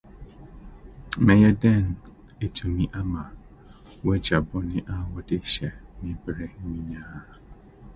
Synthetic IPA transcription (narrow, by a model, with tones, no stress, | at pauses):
mɛ˨jɛ˦dɛ˦˨n˨ | e˦tʰu˨mĩ˦ʔa˦ma˨ | wɛ˦d͡ʒa˨bʊ˦nɪ̃˦ʔa˦wɔ˦dɪ˦ʃɛ˨mɪ̃˦bɾe˦m̩˦mĩ˦ɲãː˦˨